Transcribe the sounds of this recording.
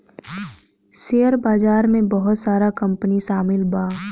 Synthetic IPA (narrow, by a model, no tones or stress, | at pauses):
seːəɾbaːzaːɾmẽbəɦʊt̪saːɾakɐ̃mpəniʃaːmɪlbaː